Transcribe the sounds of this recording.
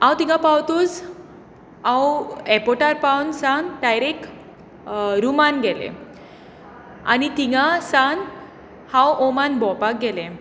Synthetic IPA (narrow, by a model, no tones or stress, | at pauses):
ãwt̪iŋɡãpawt̪uːd͡z | ãwɛpɔʈaɾpawnsãŋʈajɾek | ɾumanɡɛlḛ̃ | a̰nit̪iŋɡasaŋ | hãwʔomanbɔ̃pak̚ɡɛlẽ